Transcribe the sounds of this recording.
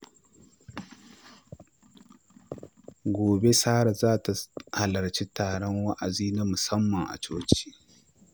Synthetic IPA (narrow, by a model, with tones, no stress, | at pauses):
ɡʷoː˨be˦saː˦ɽa˨zaː˦ta˨ha˨lɐ˨ɾt͡ʃi˦taː˨ɽɔ˦ŋwa˦ʔa˨ziː˦na˦mʊ˨sɐ˦mːɐ˨ŋʔa̰˨t͡ʃoː˦t͡ʃi̥ː˦